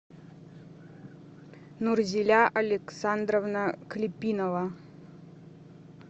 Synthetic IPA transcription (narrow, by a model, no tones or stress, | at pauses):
nurzʲilʲaʔɐlʲeksand̪rovnaklʲipʲːinova